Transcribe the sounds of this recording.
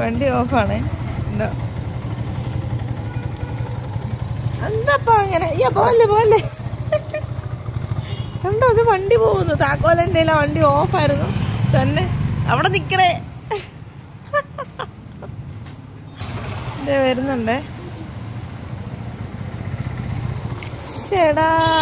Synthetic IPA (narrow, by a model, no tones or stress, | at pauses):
ʋɐɳɖioːfaːɳeɳɖoː | ɐnd̪ɐpːoːɐŋːɐnejaːpoːɐlːepoːɐlːe | uɳɖoːɐðɨʋɐɳɖipoːɣunːut̪aːkːoːlɐndejilaːʋɐɳɖioːfaːjiɾunːut̪ɐnːeɐ̰ʋiɽenikʲːɐɽe | ndeʋɐɾunːɐɳɖe | ɕeɽa